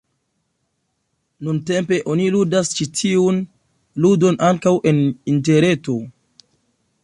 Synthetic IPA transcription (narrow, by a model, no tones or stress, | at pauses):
nunte̞mpe̞ʔo̞niludast͡ʃitʰiun | ludo̞nʔaŋkawʔe̞ninte̞ɾe̞to̞